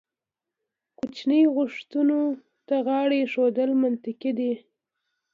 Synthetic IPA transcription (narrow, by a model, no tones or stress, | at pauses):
kut͡ʃnəjɣʊʂt̪uno | t̪aɣɑɽeʃod̪əlmant̪ɪkid̪i